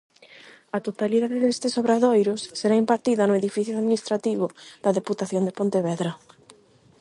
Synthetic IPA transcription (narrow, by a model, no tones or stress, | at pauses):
ɐt̪ot̪aliðaðeðest̪esoβɾaðojɾʊsːeɾaimpaɾt̪iðɐnʊeðifiθjoaðminist̪ɾat̪iβ̞ʊðɐðeput̪aθjond̪epont̪eβɛðɾɐ